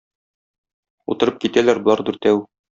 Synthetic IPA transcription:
ṵt̪ɤ̆ɾɤp̚kit̪ælæɾbŏlˠɑɾd̪uɾt̪æw

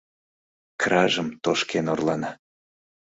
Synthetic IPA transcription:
krɑʒəmt̪oʃkenorlɑnɑ

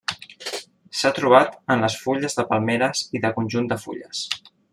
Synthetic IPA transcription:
sat̪ɾuβ̞at̪ənləsfuʎəzðəpəlˠmeɾəziðəkunʲʒund̪əfṵʎə̰s

